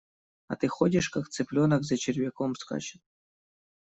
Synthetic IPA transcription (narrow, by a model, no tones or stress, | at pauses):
a̰t̪ɨxodʲɪʂkakt̪sɨplʲonakzɐt͡ɕɪrvʲekomska̰t͡ɕɪt̪